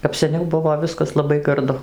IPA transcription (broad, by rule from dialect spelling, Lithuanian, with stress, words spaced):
kɐp sʲɛˈnʲɛʊ ˈbʊʋoː ˈʋʲɪskɐs lˠɐˈbɐɪ ɡɐrˈdʊ